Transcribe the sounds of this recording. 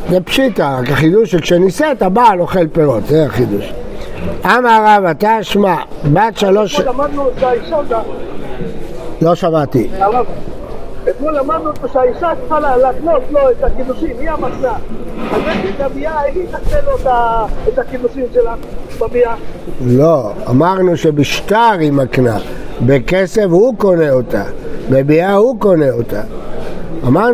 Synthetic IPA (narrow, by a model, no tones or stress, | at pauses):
zepʃit̪aʁakaχid̪uʃekʃeniset̪abaloχelpeʁot̪zeaχid̪uʃ | amaʁavat̪aʃmabat̪ʃaloʃlamad̪nuʃaiʃata | lo̞ʃamat̪iaʁav | ekmulamad̪nutoʃeaiʃakxalalatnot̪loet̪akid̪uʃimiamatnaaetidabiaeχit̪akneloet̪aet̪akidusimʃelanubabialoa̰maʁnuʃebiʃt̪aʁimaknabekesevhuko̞neot̪a̰bebiahuko̞neot̪a | amaʁ